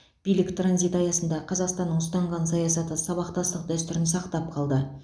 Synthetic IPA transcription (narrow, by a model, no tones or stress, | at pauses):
b̥ijlɪkt̪ranzijt̪ɑjɑsənd̪ɑqʰɑzɑqst̪ɑnːəɴʊst̪ɑɴʁɑnsɑjɑsɑt̪əsɑβɑqt̪ɑst̪əqd̪æst̪ʏɾɪnsɑqt̪ɑp̚qʰɑlˠd̪ə